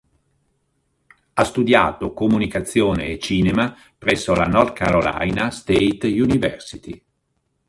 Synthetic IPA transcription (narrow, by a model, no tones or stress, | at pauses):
ast̪ud̪ja̰ːt̪okomunikat̪sːjoːnḛːt͡ʃiːnema | pɾɛsːola̰nɔrd̪̚ka̰ɾola̰jnast̪eit̪junivɛrsit̪i